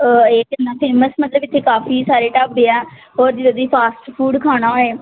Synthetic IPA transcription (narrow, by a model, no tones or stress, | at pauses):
eːkənãːpʰeːməsmət̪ləbɪt̪ʰːeːkaːfiːsaːɾeːʈaːbeːɛːɦoːɾd͡ʒɪd̪ed̪iːpʰaːsʈpʰuːɖkʰaːɽ̃ãːeː